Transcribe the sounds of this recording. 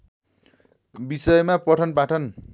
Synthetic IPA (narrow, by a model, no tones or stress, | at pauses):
bisʌjmapʌʈʰʌnpaʈʰʌn